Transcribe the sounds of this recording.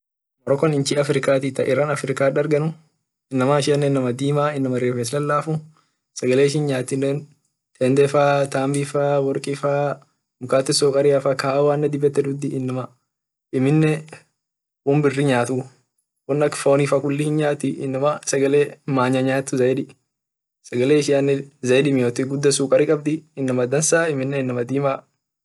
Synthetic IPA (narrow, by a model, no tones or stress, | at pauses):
mɔɾɔkɔnɪnt͡ʃiɐfɾɪkaːt̪iːt̪ɐʔɪɾanɐfɾɪkaːᶑɐɾɡɐnʊ | ɪnːɐmaːɪʃɪɐnːɛnːɐmɐd̪iːmaːɪnːɐmɐɾeːfeːslɐlːaːfʊ | sɐɡɐleːʃɪnɲaːt̪ːɪneːn | t̪ʰɛnd̪ɛfaːt̪aːmbifaːwɔɾkʼɪfaː | nʊkaːt̪ːɪsɔːkʼɐɾɪjafakaːwaːnːɐd̪ɪbɛt̪ːɛᶑ̪ʊd̪ɪʔɪnːɐmɐ | ɪmɪnːɛ | wʊmbɪrːɪɲaːt̪u | wɔnːɐkfoːnifɐkʊlːɪhɪnɲaːt̪ːɪʔɪ̰nːɐmɐsɐɡɐleːmaːɲɐɲaːt̪ːʊzɐjᶑɪ | sɐɡɐleːɪʃɪanːɛzɐjᶑɪmɪjoːt̪ɪɡʊd̪ːɐsuːkʼɐɾɪkʼɐb̚d̪ɪɪnːɐmɐd̪ɐnsaːɪmɪnːɛɪnːɐmɐd̪iːma